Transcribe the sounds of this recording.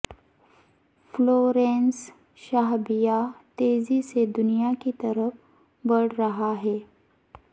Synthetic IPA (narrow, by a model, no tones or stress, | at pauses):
floːɾẽːns | ʃaːɦbijat̪eːzised̪ʊnijakit̪ɐɾəf | bɐɽ̤ɾɐɦaɦɛː